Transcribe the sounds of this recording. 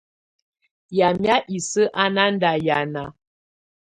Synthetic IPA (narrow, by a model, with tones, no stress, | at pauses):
ja˨mja˦ʔi˨sə˦ʔa˦na˦n̩˦da˨ja˨na˨